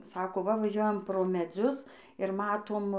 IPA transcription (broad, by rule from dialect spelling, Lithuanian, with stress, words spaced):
ˈsɑːkoː ˈʋɐ ʋɐˈʒʲuɔjɛm proː mʲɛˈd͡zʲʊs ɪr ˈmɑːtoːm